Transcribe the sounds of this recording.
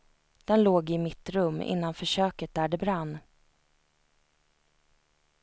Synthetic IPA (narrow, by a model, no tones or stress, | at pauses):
d̪̥ɛnloːɡɪmɪt̪ɾɵmːɪ̰nːanfœʂøːkət̪̚d̪æɖɛbɾanː